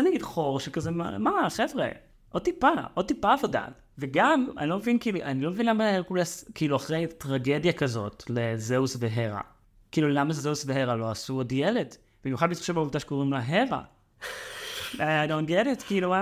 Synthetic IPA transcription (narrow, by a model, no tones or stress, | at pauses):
naɡidχoʁʃekazema̰maχevʁḛ | ʔod̚t̪ipaʔod̚tipaːvo̞da̰ | veɡama̰nilomevinkiːluʔanilomevinlamaekulaskiiːluaχʁejtʁaɡe̞djakazo̞̰tlezeusveɦeʁa̰ | kiiːlulamazzeusbeɦeʁalo̞asuodjeled | b̥imjuχad̚mitʃevauvtaʃe̥koʁimlaɦeʁa̰ | aajdontjeletkiiluwa